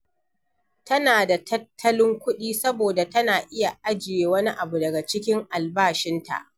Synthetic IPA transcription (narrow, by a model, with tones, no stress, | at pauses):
tɐ˦naː˨da˨tʰɐ˦tʰːɐ˦lɪ˦ŋkʷʊ˦ɗiː˦sɐ˦boː˨da˨tɐ˦naː˨ʔɪ˦ja˨ʔa˦d͡ʒɪ˨jeː˨wɐ˦ni˦ʔa˨bu˨dɐ˨ɡa˨t͡ʃɪ˦kʲɪ˦ŋʔa˨lbaː˦˨ʃɪ˦nta̰˨ʔ